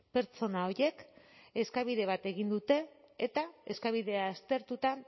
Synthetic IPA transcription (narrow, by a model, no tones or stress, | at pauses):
pe̞ɾt͡so̞nao̞ɾje̞ke̞skaβ̞iðe̞β̞at̪e̞ɣind̪ut̪e̞ːt̪ae̞skaβ̞iðe̞aːst̪e̞ɾt̪ut̪a